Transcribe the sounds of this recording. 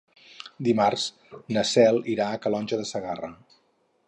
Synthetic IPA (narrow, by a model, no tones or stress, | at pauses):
d̪imarz̥ | nəsɛlˠiɾaəkəlɔnʲʒəðəsəɣarə